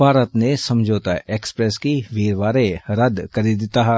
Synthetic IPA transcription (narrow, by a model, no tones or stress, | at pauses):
bʱaːɾət̪nesɐmd͡ʒʱoːt̪aʔeːkspɾɛːskiʋiːɾʋaːɾeɾəd̪kəɾid̪ɪt̪aːɦɛ